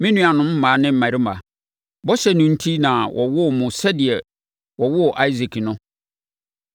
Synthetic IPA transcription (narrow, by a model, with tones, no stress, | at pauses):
mɪ̃˦nũ˦a˨nʊ̃˦m̩˦mãː˨˦nɪ̃˦m̩˨mã˨ɾi˦ma̰˨ | bɔ˦ɕɛ˦nʊ̃˦n̩˦tʰi˦nã˨wʔɔ̰˨wʊ˦˨mʊ̃˨sɛ˦dɪ˨ɛ˨ | wɔ˨wʊ˦˨ʔa˦i˦zi˨kʰi˨nʊ̃˦